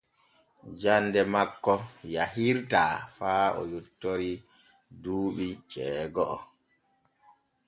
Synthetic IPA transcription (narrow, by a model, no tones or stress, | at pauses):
d͡ʒandɛmakːɔjahiɾtaːfaːɔ̰jutːoɾi | duːɓit͡ʃɛːɡɔʔɔ